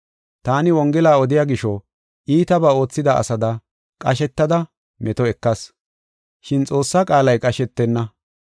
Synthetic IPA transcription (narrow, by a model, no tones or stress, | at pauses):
t̪aːnɪwɔŋɡɛlaːɔd̪ɪjaːɡɪʃɔ | ʔiːt̪ɐbaːo̞ːt͡sːɪd̪ɐɐ̰sɐd̪ɐ | kʼɐʃɛt̪ːɐd̪ɐ | mʔɛt̪ɔɛkːɐs | ʃɪnt͡sʼo̞ːsːakʼaːlɐjkʼɐʃɛt̪ːɛnːɐ